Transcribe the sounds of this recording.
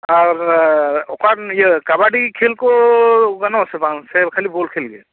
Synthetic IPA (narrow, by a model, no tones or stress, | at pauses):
aɾokajekabaɖikʰelkoɡɐnasepãnsebkʰəlibolkʰelɡe